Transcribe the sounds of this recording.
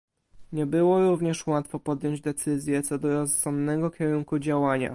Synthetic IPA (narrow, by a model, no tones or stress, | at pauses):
ɲɛbɘwɔɾuvɲɛʂwat̪fɔpɔd̪jɔɲd͡ʑd̪ɛt̪sɘzʲjɛt̪sɔd̪ɔɾɔssɔmd̪nɛɡɔkʲɛɾuŋkud͡ʑawaɲa̰